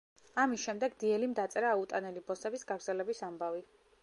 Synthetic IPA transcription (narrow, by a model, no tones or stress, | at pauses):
amisʃɛmd̪ɛɡd̪iɛlimd̪at̪sʼɛɾaːut̪ʼanɛlibɔsɛbisɡaɡɾdzɛlɛbisambavi